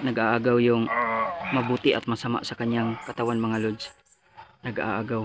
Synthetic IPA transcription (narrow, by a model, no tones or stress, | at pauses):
nɐɡaʔaːɡawjʊŋmɐbuːt̪ɪʔɐt̪̚mɐsama̰ʔsɐkaɲjaŋkɐt̪awanmɐŋalods | nɐɡa̰ʔa̰ʔaːɡaw